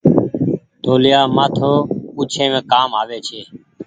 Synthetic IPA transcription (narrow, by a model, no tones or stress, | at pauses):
t̪oːlɪjaːmaːt̪ʰoːpuːt͡ʃʰẽːmẽːkaːmaːʋeːt͡ʃʰeː